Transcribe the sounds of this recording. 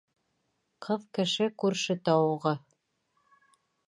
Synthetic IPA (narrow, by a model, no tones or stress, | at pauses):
qʰɤðkɘ̆ʃɘkʉɾʃɘt̪ɑwɤ̆ʁɤ